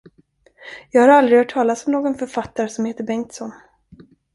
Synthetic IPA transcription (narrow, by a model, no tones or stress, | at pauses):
jɑːɡhaɾald̪ɾɪɡhœːʈʰːɑːlasɔmnoːɡɔnfœɾfat̪ːaɾəsɔmheːt̪əɾbɛŋkt̪sɔn